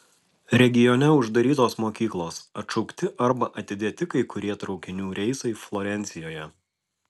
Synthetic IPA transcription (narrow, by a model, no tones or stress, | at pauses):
ɾʲɛɡʲɪjɔnʲɛʊʒd̪ɐɾʲiːt̪oːsmoːkʲiːklˠoːsɐt̪ʃɔʊkt̪ʲɪʔɐɾbɐʔɐt̪ʲɪd̪ʲeːt̪ʲɪkɐɪkʊɾʲiɛt̪ɾɒʊkʲɪnʲuːɾʲɛɪsɐɪflˠɔɾʲɛnʲt̪sʲɪjoːjɛ